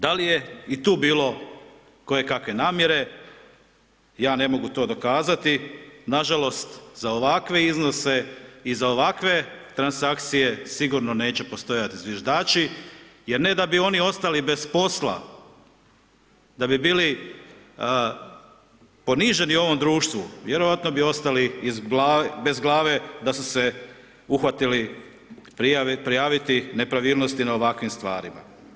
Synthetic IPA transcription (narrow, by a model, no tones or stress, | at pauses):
d̪alije̞it̪uːbiːlˠo̞ | ko̞je̞kakʋe̞naːmje̞ɾe̞ | jaːne̞mo̞ɡut̪o̞ːd̪o̞kaːzat̪inaʒalo̞st̪zao̞ʋakʋe̞izno̞se̞izao̞ʋakʋe̞t̪ɾansakt̪sije̞siɡuɾno̞ne̞ːt͡ɕe̞po̞st̪o̞jat̪izʋjiʒd̪aːt͡ʃije̞ɾne̞d̪abio̞nio̞st̪alibe̞spo̞slˠa̰ | d̪abibiːli | po̞niʒe̞niuo̞ʋo̞md̪ɾuːʃt̪ʋuʋjeɾo̞ʋat̪no̞bio̞st̪aliːzɡlabe̞zɡlˠaːʋe̞d̪asuse | uxʋat̪ili | pɾiapɾijaːʋit̪inepɾaʋiːlˠnost̪inao̞ʋakʋimst̪ʋa̰ːɾima̰